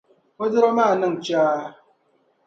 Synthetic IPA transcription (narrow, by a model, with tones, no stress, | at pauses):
wo˦dɪ˦ɾɔ˦ma˦˨nə˦ŋ̩˨t͡ʃaː˦